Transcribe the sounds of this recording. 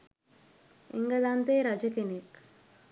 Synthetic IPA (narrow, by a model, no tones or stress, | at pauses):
ḛŋɡəd̪ant̪eːɾad͡ʒəkenek